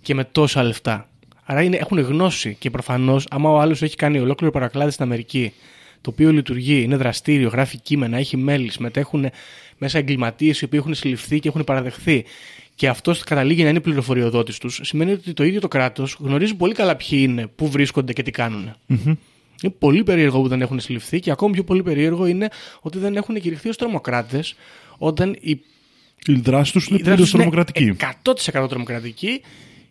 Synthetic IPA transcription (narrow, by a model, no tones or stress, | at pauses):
ce̞me̞t̪o̞sɐle̞ft̪ɐ | ɐɾɐinee̞xune̞ɣno̞sice̞pɾo̞fɐno̞sɐmɐoɐloseçi̥kɐnio̞lo̞kliɾipɐɾɐklɐðist̪inɐme̞ɾici | t̪o̞ːpio̞lit̪uɾʝiine̞ðɾɐst̪iɾio̞ɣɾɐficime̞nɐe̞çime̞lisime̞t̪e̞xune̞me̞sɐeŋɡlimɐt̪ie̞sio̞pixunesilifθice̞exunepɐɾɐðe̞xθi | ce̞ɐft̪o̞skɐt̪ɐliʝinɐineipliɾo̞fo̞ɾio̞ðo̞t̪ist̪usːime̞niot̪it̪o̞iðjo̞t̪okɾɐt̪o̞zɣno̞ɾizipo̞likɐlɐpçiine̞puvɾisko̞nd̪ece̞t̪ikɐnune̞ | inepo̞lipe̞ɾie̞ɾɣopuðe̞ne̞xunesilifθiceɐko̞mɐpço̞po̞lipe̞ɾie̞ɾɣo̞ine̞o̞t̪iðe̞ne̞xuneciɾixθio̞st̪ɾo̞mo̞kɾɐt̪e̞s | o̞t̪ɐni | iðɾɐsi̥t̪usineðɾsiost̪ɾomokɾɐt̪icikɐt̪o̞t̪i̥se̞kɐt̪ot̪ɾo̞mo̞kɾɐt̪ici